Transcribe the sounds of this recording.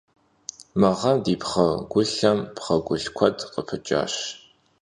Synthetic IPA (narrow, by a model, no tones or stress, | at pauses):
mɐʁɐmdiːpχɐɡʷʊɬɐmpχɐɡʷʊɬkʷʰɐdqəpʰɨt͡ʃʼa̰ːɕ